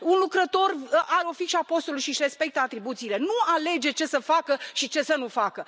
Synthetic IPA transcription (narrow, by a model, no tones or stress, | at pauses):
unlukɾət̪o̞raɾeo̞fikʃapo̞st̪oluʃiʃre̞spe̞k̚t̪əat̪ɾibut̪siːle̞nuale̞d͡ʒe̞t͡ʃe̞səfakəʃit͡ʃe̞sənufakə